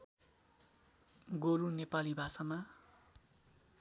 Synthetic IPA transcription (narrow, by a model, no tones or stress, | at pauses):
ɡoɾunepalibʱasama